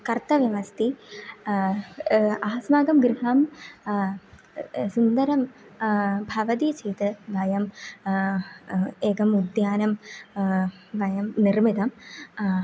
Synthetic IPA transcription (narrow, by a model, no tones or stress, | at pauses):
kɐrt̪ɐʋjɐʋɐst̪ʰi | aːsmaːɡɐmɡɾiɦɐm | sund̪ɐɾɐm | bʱɐʋɐd̪it͡ɕeːt̪ɨʋɐjɐm | eːɡɐmud̪jaːnɐm | ʋɐjɐmnirmid̪ɐm